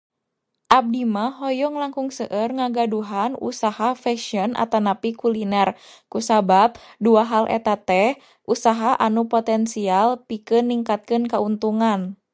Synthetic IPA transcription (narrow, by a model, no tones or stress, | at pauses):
ʔab̚dimaɦɔjɔŋlaŋkuŋsəʔərŋaɡaduɦanṵsahafɛʃiɔnʔa̰t̪anapikulinɛr | kusabap̚duaɦalʔɛ̰t̪at̪ɛh | ʔusaɦaʔanupɔt̪ɛnsialpikɨnːiŋkat̪̚kɨnkaunt̪uŋan